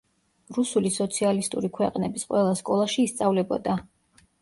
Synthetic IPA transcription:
ɾusulisɔt̪sʰialist̪ʼṵɾikʰwɛqʼnɛbisqʼwɛlˠaskʼɔlˠaʃiːst̪sʼavlɛbɔ̰d̪a

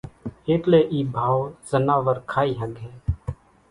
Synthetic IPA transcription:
eːt̪leːʔiːbʱaːwz̥ənaːʋəɾkʰaːiːɦə̃ɡɦɛ̃ː

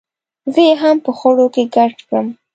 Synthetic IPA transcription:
zəjeɦampəxaɽokeɡaʈkɽəm

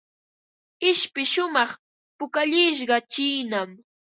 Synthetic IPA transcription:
ɪʃpɪʃʊmɑχ | pʊkaʎɪʃ̬ɢɑt͡ʃiːnam

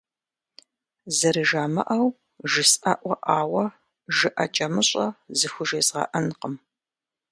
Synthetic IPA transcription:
zɐɾɨʒaːmɐ̰ʔɐw | ʒɪsɐʔʷɔʔaːwɐ | ʒɨʔɐt͡ʃʼɐmɨɕʼɐzɨxʷʊʒeːzʁɐ̰ʔɐnqəm

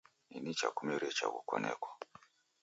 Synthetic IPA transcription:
ninit͡ʃakumiɾɛt͡ʃakukɔnɛkwa

